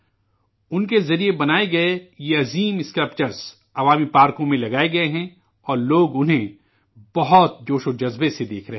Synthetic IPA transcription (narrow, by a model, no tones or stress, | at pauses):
ʊnkezɐɾiebɐnaːeɡɐejeɐziːmɪskɾɪp̚t͡ʃəɾz̥ | ɐʋaːmipaːɾkõmẽlɐɡaːeɡɐeɦɛ̃ | ɔːɾloːɡʊnɦẽ | b̥ɐɦɔt̪̚d͡ʒoːʃod͡ʒɐzbesed̪eːkʰɾɐɦɛ